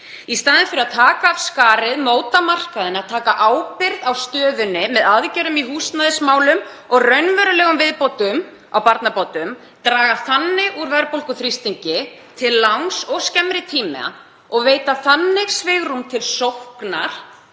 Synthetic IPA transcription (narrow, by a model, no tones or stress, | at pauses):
ist̪aːðɪnfɪɾɪaðt̪ʰaːkaːv̥skaːɾɪðmoːwt̪amar̥kaðɪnaðt̪ʰaːkaʔaːwpɪɾðawst̪œːðʏnːɪmɛðaðcɛɾʏmiɦuːst̪naðɪsmaːwlʏm | ɔɣrœɥnvɛɾʏlɛːɣʏmvɪðpowt̪ʏm | awpaɾt̪napowt̪ʏm | t̪ɾaːɣaθanːɪɣuɾvɛɾpowlkʏθɾist̪iɲcɪ | t̪ʰɪlːawnŋsɔɣscɛmɾɪt̪ʰiːmɪ̰a̰ | ɔɣveːjt̪aθanːɪɣsvɪɣɾumt̪ʰɪlsowhkna̰ɾ̥